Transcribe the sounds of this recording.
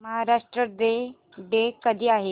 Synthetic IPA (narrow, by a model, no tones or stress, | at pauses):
məɦaɾaʂʈɾəd̪e | ɖekəd̪ʱiːaɦe